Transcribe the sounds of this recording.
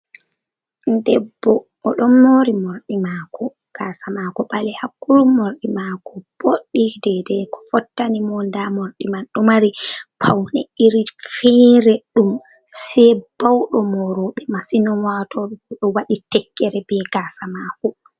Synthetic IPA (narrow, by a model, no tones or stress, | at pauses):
ndɛbːɔ | ɔɗɔnːoɾimoɾɗimakɔ | ɡ̥asamakɔɓalɛhakːuɾumːoɾɗimakɔb̥oɗːidɛdɛkɔ̥fɔtːanimɔndamoɾɗimanɗɔmaɾipʰawnɛ̰iɾifɛɾɛɗum | sɛb̥awɗɔmɔɾɔɓɛmasinɔmwatɔɛɔɗɔwaɗitɛkːɛɾɛbɛɡaːsamakɔ